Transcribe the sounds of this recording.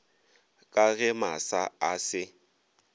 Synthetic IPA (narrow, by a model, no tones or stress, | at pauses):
kʼaɣɛmasaasɪ